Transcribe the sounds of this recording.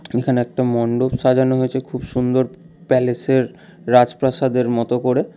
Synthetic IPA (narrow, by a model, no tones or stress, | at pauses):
ekʰaneɛk̚ʈamɔɳɖobʃad͡ʑanoɦojet͡ɕʰekʰubʃund̪oɾ | pɛleseɾː | ad͡ʑpɾaʃad̪eɾmɔt̪okoɾe